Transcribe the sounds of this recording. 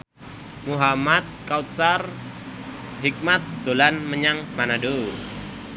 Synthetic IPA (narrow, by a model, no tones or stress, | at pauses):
muɦamat̪̚kaut̪̚sar | ɦik̚mat̪̚d̪̥olanməɲaŋmanadu